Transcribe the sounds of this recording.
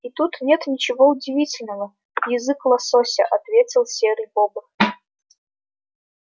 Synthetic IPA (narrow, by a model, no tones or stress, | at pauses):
it̪ut̪nʲet̪nʲɪt͡ɕɪvoʊdʲɪvʲitʲɪlʲnəvə | jɪzɨklˠɐsosʲɐʔɐt̪vʲet͡sʲɪlˠsʲeɾɨjboɡə